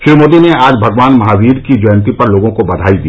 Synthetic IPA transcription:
ʃɪɾmoːd̪ineaːd͡ʒbʱɐɡʋaːnmɐɦaːwiːd̪kid͡ʒɔjə̃nt̪ipɐɾloːɡõkobɐd̪ʱaːid̪iː

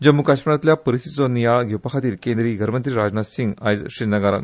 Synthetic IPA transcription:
d͡ʑəmːukaɕməɾat̪ljapəɾist̪it̪t͡sɔnijaɭɡʱewpakʰat̪iːlkẽnd̪ɾiːɡʱəɾmənt̪ɾiːɾad͡znasiŋɡa̰jd͡zɕɾinəɡaɾa̰n

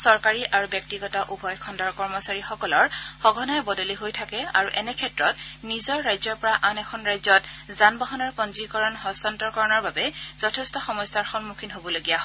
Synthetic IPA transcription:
sɔɹkaɹiʔaɹubjɔk̚tiɡɔtaʔubʱɔjkʰɔndɔɹkɔɹmɔsaɹixɔkɔlɔɹxɔɡʱɔnɔɛbɔdɔliɦojtʰakɛa̰ɹuʔɛnɛkʰɛtɹɔtnizɔɹːajzɔɹpɔɹaʔanɛkʰɔnɹajzɔtzanbaɦɔnɔɹpɔnzikɔɹɔnɦɔstɔntɔɹkɔɹɔnɔɹbabɛz̥ɔtʰɛstɔxɔmɔjsaɹxɔnmukʰinɦobɔloɡijaɦɔ

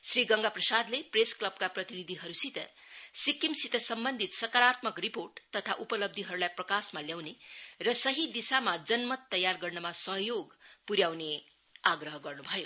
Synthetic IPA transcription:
sriɡʌŋɡaprʌsad̪lepresklʌb̚kaprʌt̪inid̪ʱiɦʌɾusit̪ʌ̰ | sikimsit̪ʌsʌmbʌnd̪ʱit̪sʌkaɾat̪mʌkriporʈt̪ʌt̪ʰaʔupʌlʌb̚d̪ʱiɦʌɾulajprʌkasmaljawnerʌsʌɦid̪isamad͡zʌnmʌt̪ːʌjːarɡʌrnʌmasʌɦjoɡpuɾjawne | aɡrʌɦʌɡʌrnubʱʌjo

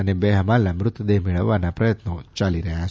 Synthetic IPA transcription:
anebɛɦamalambɾut̪d̪emiɭawanapɾɛt̪̚not͡ʃaliɾea

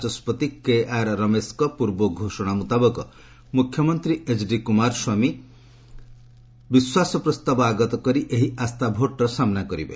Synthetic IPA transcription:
t͡ʃɔspɔt̪ikeaɾɾɔmeskɔpuɾbɔɡʱoʃɔɽ̃amut̪abɔkɔ | mukʰjɔmɔnt̪ɾiet͡ʃɖikumaɾswami | biswasɔpɾɔst̪abɔaɡɔt̪ɔkɔɾiʔeɦiʔast̪abʱoʈɾɔsamnakɔɾḭbḛ

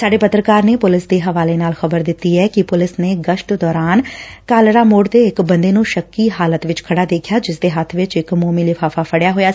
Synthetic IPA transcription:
saːɖeːpət̪ɾəkaːɾneːpʊlɪsd̪eːɦəʋaːleːnaːlxəbəɾd̪ɪt̪ːiːɛːkɪpʊlɪsneːɡəʃʈd̪ɔːɾaːnkaːlɾaːmoːɖt̪eːɪkbənd̪eːnũːʃəkːiːɦaːlət̪ʋɪt͡ʃkʰəɽaːd̪eːkʰjaːd͡ʒɪsd̪eːɦət̪ʰʋɪt͡ʃɪkmoːmiːlɪfʰaːfʰaːpʰəɽjaːɦoːjaː

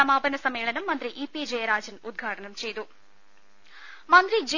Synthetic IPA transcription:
ɐmaːbɐnɐsɐmeːɭɐnɐmːɐnd̪ɾiʔiːpid͡ʒejɐɾaːd͡ʒɐnud̪̚ɡʱaːʈɐnɐmt͡ʃejd̪u | mɐnd̪ɾid͡ʒ

